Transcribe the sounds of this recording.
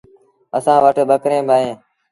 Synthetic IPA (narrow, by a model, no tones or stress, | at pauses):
əsãːʋəʈɓəkɾẽːbʱaːẽː